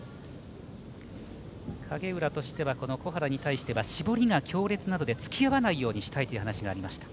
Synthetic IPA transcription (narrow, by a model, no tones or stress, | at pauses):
kʰaɡe̞ɯ̟ɾat̪o̞ɕi̥t̪e̞βako̞no̞ko̞ɦaɾaɲ̟it̪aiɕi̥t̪e̞βaɕibo̞ɾʲiŋakʲo̞ːɾe̞t͡sɨnad̪o̞d̪e̞t͡sɨ̥kʲijaβanaijo̞ːɲ̟iɕi̥t̪ait̪oiɯ̟ɦanaɕiɡaːɾʲimaɕi̥t̪ḁ